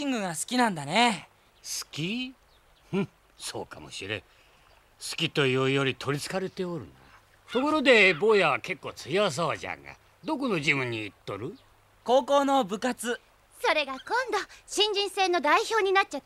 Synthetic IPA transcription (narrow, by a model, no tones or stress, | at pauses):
ɕĩŋɡɯ̟ɡasɨ̥kʲinãnd̪ane | sɨ̥kʲi | hɯ̟̃ | so̞̰ːka̰mo̞̰ɕiɾḛ̃ | sɨ̥kʲit̪o̞ijoijoɾʲit̪ʰo̞ɾʲit͡sɨ̥kaɾe̞t̪e̞oɾɯ̟̰na | t̪o̞koɾo̞d̪e̞bo̞ːjaβake̞kːo̞ːt͡sɨjaas̬aβad͡ʑã̰ŋɡa̰ | d̪o̞k̬ono̞d͡ʑiβɯ̟̃ɲ̟ːiːt̪ːo̞ɾɯ̟ | ko̞ːko̞ːno̞bɯ̟kat͡sɨ | so̞ɾe̞ɡakõ̞nd̪oɕĩɲ̟d͡ʑĩɰ̃se̞ːno̞d̪aiço̞ːɲ̟inat͡ɕa